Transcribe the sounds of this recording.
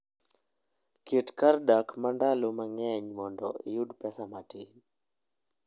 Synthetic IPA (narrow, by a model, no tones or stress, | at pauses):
kʰetkardakmandalomaŋɛɲmɔndɔ̰ijudpɛsamatin